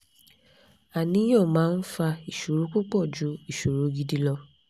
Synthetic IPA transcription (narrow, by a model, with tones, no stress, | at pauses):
a˨nĩ˨˦j̃ɔ̃˦˨mãː˦n̩˦fa˧i˨ʃo˨ɾu˨˦k͡po˦k͡pɔ˦˨d͡ʒu˨˦i˦˨ʃo˨ɾo˨˦ɡi˧di˧lɔ˧